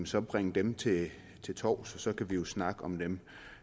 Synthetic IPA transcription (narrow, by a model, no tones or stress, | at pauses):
nsɒ̽b̥ʁeŋ̰əd̥emt͡sʰe̝ | t͡sʰe̝lt͡sʰɒ̰ːʊsɒ̽sɒ̽kʰæʋijo̝snɑ̈ɡ̥əɒ̽md̥em